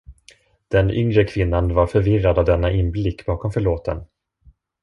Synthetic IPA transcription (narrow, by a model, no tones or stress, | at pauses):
d̪̥ɛnʏŋɾəkʰvɪnːanvaɾfœɾvɪrːad̪avd̪ɛnːaʔɪnblɪkːb̥ɑːkɔmfœɭoːt̪ən